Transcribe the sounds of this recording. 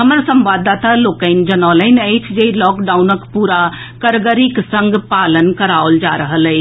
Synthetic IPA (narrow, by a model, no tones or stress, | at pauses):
ɦəməɾsə̃mʋad̪at̪aloːkəɪnd͡ʒənalənəɪt͡ʃʰd͡ʒeilɔːkɖaʊnəkpuɾa | kəɾɡəɾiksə̃ŋɡʱpaːlənkəɾaold͡ʒa̰ɾəɦəlɛ